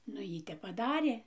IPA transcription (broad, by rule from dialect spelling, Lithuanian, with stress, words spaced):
nʊ ˈjiː ˈtʲɛp pɐˈdɑːrʲeː